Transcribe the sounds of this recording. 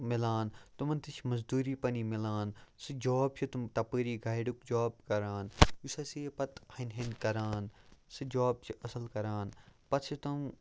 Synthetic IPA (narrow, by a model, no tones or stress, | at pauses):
milaːnt̪umɐnt̪it͡ʃʰmɐzd̪uːɾiːpɐniːmilaːnsɨd͡ʒoːb̚t͡ʃʰit̪umt̪ɐpəːɾiːɡaːjɖukd͡ʒaːb̚kɐɾaːnusɐsiːpɐt̪hɐnɦɐnkɐɾaːnsɨd͡ʒaːb̚t͡ʃʰiʔɐsɐlkɐɾaːnpɐt̪t͡ʃʰit̪ɐm